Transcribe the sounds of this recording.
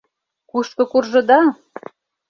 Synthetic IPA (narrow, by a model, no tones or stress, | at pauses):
kuʃkɤ̆kurʒɤ̆d̪ɑ